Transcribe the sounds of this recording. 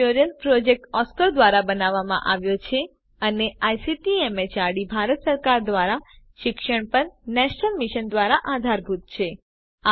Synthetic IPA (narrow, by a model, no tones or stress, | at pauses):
oɾijəlpɾɔd͡ʒek̚ʈɔskəɾd̪ʋaɾabənaʋːamã̰ʔaʋjot͡ʃʰe | əneajsiʈiemet͡ʃaɽibʱaɾət̪səɾkaɾd̪ʋaɾa | ʃɪkʃəɳpəɾnɛʃnəlmiʃənd̪ʋaɾaʔad̪ʱaɾbʱut̪̚t͡ʃʰe | a